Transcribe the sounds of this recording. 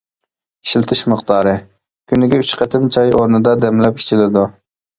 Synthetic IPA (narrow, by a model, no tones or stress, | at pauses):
i̥ʃilˠt̪ʰɨʃməqt̪ɑːɾɨ | kʲʰynɪɡʲɛyt͡ʃqʰɛt̪ʰɪmt͡ʃʰɑjoɾnɨd̪ɑd̪ɛmlɛpi̥t͡ʃʰilɪd̪u